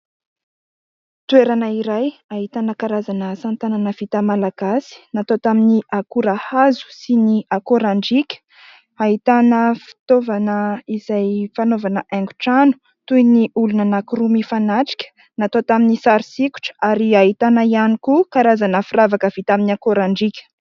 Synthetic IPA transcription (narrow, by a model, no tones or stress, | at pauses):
t̪ueɾanəiɾajaɦit̪anəkaɾazanəsant̪ananəv̥it̪amalaɡ̥asi̥nat̪ot̪aminiʔakuɾahazu̥siniakoɾaɳɖ͡ʐikʲə̥ | aɦit̪anəfi̥t̪ovanəiz̥ajfanovanəʔɛŋɡuʈ͡ʂanu̥ | t̪ujniulunənakuɾumifanaʈ͡ʂi̥kʲə̥ | nat̪ot̪aminisaɾisiku̥ʈ͡ʂə̥aɾiaɦit̪anaianikukaɾazanəfiɾavakəv̥it̪aminakoɾaɳɖ͡ʐikʲə̥